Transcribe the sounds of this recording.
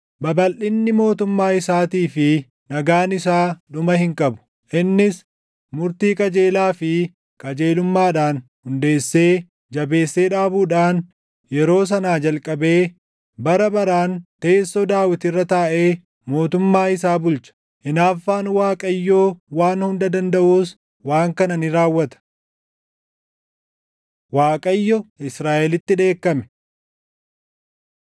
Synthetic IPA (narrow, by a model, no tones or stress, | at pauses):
bɐbɐlʔɪnːɪmo̞ːt̪ʊmːaːɪsaːt̪iːfɪ | nɐɡaːnɪsaːᶑʊmɐhɪŋkʼɐbʊ̥ | ʔɪnːɪs | mʊɾt̪iːkʼɐd͡ʒe̞ːlaːfɪ | kʼɐd͡ʒeːlʊmːaːᶑaːnhʊnd̪e̞ːsːeː | d͡ʒɐbe̞ːsːe̞ːᶑaːbuːᶑaːn | jɛɾo̞ːs̬ɐnaːd͡ʒɐlkʼɐbe̞ː | bɐɾɐbɐɾaːnt̪e̞ːsːod̪aːwɪt̪ɪrːɐt̪aːʔe̞ː | mo̞ːt̪ʊmːaːhɪs̬aːbʊlt͡ʃɐ̥ | ʔɪnaːfːaːnwaːkʼɐjːo̞ːwaːnhʊnd̪ɐd̪ɐnd̪ɐʔuːs | waːŋkɐnɐnɪɾaːwːɐt̪ɐ̥ | waːkʼɐjːɔɪsɾaːʔɛlɪt̪ːɪᶑe̞ːkːɐmɛ̥